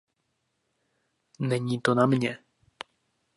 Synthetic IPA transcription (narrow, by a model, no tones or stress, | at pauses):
nɛɲiːt̪onamɲɛ